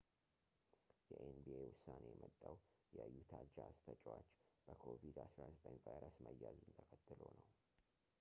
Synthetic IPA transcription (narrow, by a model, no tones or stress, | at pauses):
jɛʔenbiewʊsːane̞jɛmʔət̪ʼːaw | jɛəjːut̪ʰad͡ʒast̪ʰət͡ʃʼwat͡ʃːb̥əkʰo̞vid̪asɾazət̪ʼəɲvajɾəsməjːazunt̪ʰəkʰət̪ːɨlo̞nəw